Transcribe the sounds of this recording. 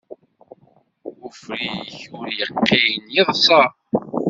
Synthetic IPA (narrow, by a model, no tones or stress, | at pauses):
ʊfɾiçʊɾjəqːijnjiðˤsˤɑɾ